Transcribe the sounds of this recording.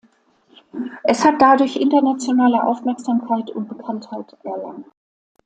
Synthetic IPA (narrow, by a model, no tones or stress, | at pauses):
ʔɛshat̚d̥adʊɐçʔɪntɐnat͡sjonaːləʔa̰ʊfmɛɐkz̥aːmkʰaɪtʰʊnt̚b̥əkʰanthaɪtʔɛɐla̰ŋt